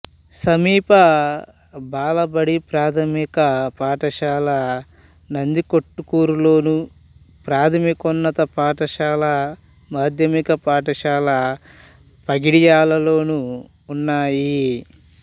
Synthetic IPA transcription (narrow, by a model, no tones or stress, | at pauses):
sɐmiːpɐ | baːlɐbɐɽipɾaːt̪ʰɐmikɐpaːʈɐʃaːlɐ | nɐnd̪ikoʈːukuːɾulo̞ːnu | pɾaːt̪ʰɐmikɔnːɐt̪ɐpaːʈɐʃaːlɐ | maːd̪ʱjɐmikɐpaːʈɐʃaːlɐ | pɐɡiɽijaːlɐlo̞ːnuː | nːaːji